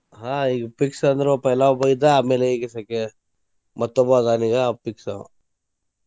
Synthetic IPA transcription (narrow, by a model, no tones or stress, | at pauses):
ɦaːiːɡɐpiksɐnd̪ɾupɐjlabɐjid̪aaːmeːleiːɡɐsɐke | mɐt̪ːɔbad̪aːniːɡapiksa̰